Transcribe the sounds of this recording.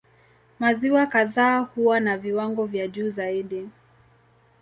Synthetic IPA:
maziwakaðaːhuwanaviwaŋɡɔvjaʄuːzaiɗi

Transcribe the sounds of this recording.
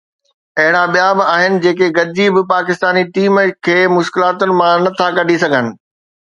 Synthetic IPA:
ɐɦɪɽ̃abijaːbɪaːɦɪnɪ̆d͡ʑeːk̬eɡɐd͡ʑibɪpaːkɪst̪aːniʈiːmkʰeːmʊʃkɪlaːt̪ʊnɪ̆mãnɐt̪ʰakɐɖʱisɐɡʱənɪ̆

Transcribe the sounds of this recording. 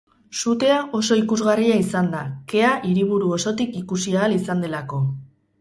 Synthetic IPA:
sut̪e̞aʔo̞so̞ikuzɣariaisand̪ake̞aʔiɾiβ̞uɾuo̞so̞t̪ikikusiaːlisand̪e̞lako̞

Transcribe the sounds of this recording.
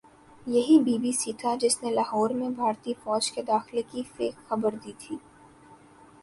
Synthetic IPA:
jɐɦibiːbisiːt̪ʰad͡ʒɪsnelaːhɔːɾmẽbʱaːɾt̪ifɔːd͡ʒked̪aːxlekifeːkxɐbəɾd̪iːt̪ʰiː

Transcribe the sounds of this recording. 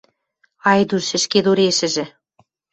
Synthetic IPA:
ɑjd̪uʃɘ̆ʃked̪oɾeʃɘ̆ʒɘ̆

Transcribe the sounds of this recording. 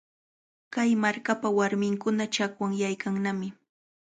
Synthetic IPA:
kajmaɾkapawaɾmɪŋkʊnat͡ʃakwaŋjajkaŋnamɪ

